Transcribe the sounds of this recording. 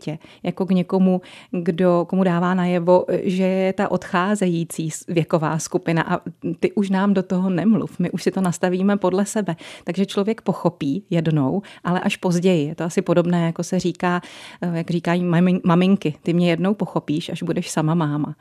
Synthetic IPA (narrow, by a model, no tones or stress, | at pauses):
cɛjakoɡɲɛko̞muɡdo̞komudaːvaːnajɛvo̞ʒɛjɛt̪aʔo̞t̪xaːzɛjiːt͡siːsvjɛko̞va̰ːskupɪna̰ʔat̪ɪʔuʃnaːmdo̞t̪oɦonɛmlṵfmɪʔuʃsɪt̪o̞nast̪aviːmɛpo̞dlɛsɛbɛt̪aɡʒɛt͡ʃlovjɛkpo̞xo̞piːjɛdno̞wʔalɛʔaʃpo̞zɟɛjɪjɛt̪oʔasɪpo̞do̞bnɛːjako̞sɛr̝iːkaːjaɡriːkajiɪmamɪŋkɪt̪ɪmɲɛjɛdno̞wpoxo̞piːʃʔaʒbudɛʃsamamaːma